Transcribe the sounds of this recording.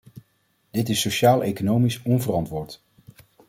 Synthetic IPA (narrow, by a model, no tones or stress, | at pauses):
d̥ɪtɪsoʃaːlˠejkonowmisɔnvərɑntʋʊːɹt